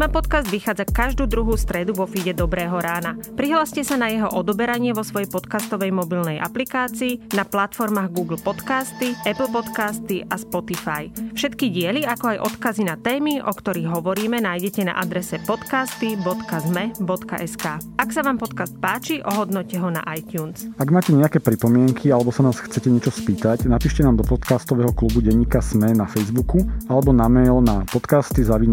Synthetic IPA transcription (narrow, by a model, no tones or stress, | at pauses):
mapɔt̪kazd̪ʋixaːd͡zakaʒd̪uːd̪ɾuɦuːst̪ɾɛd̪uʋɔfiɟɛd̪ɔbɾɛːɦɔɾaːnapɾiɦlaːscɛsanajɛɦɔʔɔd̪ɔbɛɾaɲɪɛʋɔsʋɔjɛjpɔt̪kast̪ɔʋɛjmɔbilnɛjʔa̰plikaːt͡siːnaplat̪fɔɾmaːɣɡuːɡl̩ˠpɔt̪kaːst̪iɛpl̩ˠpɔt̪kaːst̪iʔʔaspɔt̪ifajfʃɛt̪kiɟɪɛliakɔajʔɔt̪kazinat̪ɛːmiʔɔkt̪ɔɾiɣɦɔʋɔɾiːmɛnaːjɟɛcɛna̰ʔad̪ɾɛsɛpɔt̪kaːst̪ibɔt̪kazmɛbɔt̪ka̰ʔɛskaːaksaʋaːmpɔt̪kaːst̪̚paːt͡ʃiʔɔɦɔd̪nɔcɛɦɔna̰ʔajt̪uːnsaɡmaːcɛɲɛakɛːpɾipɔmɪɛŋkʰialɛbɔsanaːsxt͡sɛcɛɲɪɛt͡ʃɔspiːt̪aɟnapiːʃcɛnaːmd̪ɔpɔt̪kaːst̪ɔʋɛːɦɔklubuɟɛɲːiːkasmɛnafɛjzbukualɛbɔnamɛjlnapɔt̪kaːst̪izaʋiːm